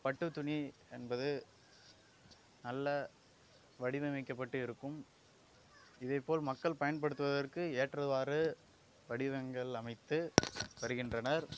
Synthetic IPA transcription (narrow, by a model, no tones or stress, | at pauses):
pɐʈːɯt̪ːʊniɛnbɐðɯ | nɐlːɐ | ʋɐɽɪʋɐmɐɪkːɐpːɐʈːɯɪɾɯkːɯm | ɪðɐɪpːoːlmɐkːɐɭpɐjɐnpɐɽɯt̪ːɯʋɐðɐrkɯeːʈrɐðɯʋaːɾɯ | ʋɐɽɪʋɐŋɡɐɭɐmɐɪt̪ːɯʋɐɾɯɣɪndrɐnɐɾ